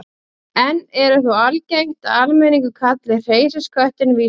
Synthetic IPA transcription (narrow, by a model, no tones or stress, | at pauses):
ɛnɛɾʏθualcejŋ̥t̪aalmɛniŋkʏkʰat̪lɪr̥eːjsaskʰœht̪ɪnvi